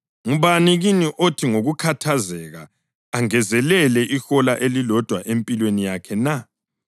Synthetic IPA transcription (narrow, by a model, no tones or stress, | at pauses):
ŋuβaniɣiniʔotʰiŋoɣukʰatʰazɛɣaː | ŋɛzɛlɛlɛʔixɔlaʔelilɔd̥ʱwaʔempʼilwenijakʰɛna